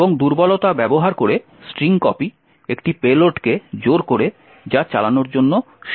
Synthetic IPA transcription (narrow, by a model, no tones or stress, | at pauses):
boŋd̪uɾbɔlot̪abɛboɦaɾkoɾe | sʈɾiŋkɔpi | ekʈipeloʈked͡ʑoɾkoɾe | d͡ʑat͡ɕalanoɾd͡ʑonːo | ʃ